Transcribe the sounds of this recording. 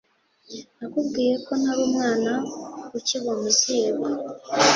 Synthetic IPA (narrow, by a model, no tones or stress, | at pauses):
akubɡiːɾe̞ko̞naβomwaːnakuciβomuziːβa